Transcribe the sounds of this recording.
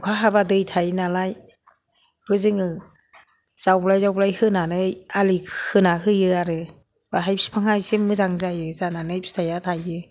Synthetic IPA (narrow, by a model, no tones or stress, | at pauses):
kʰaɦabadɯjtʰajnalaj | hɯzɯŋɯ | z̥awblajzawblajhɯnanɯjalihʰɯnaɦɯjɯaɾɯ | baɦajpsi̥pʰaŋhajsimːɯzaŋzajɯzananɯjsi̥tʰajatʰajɯ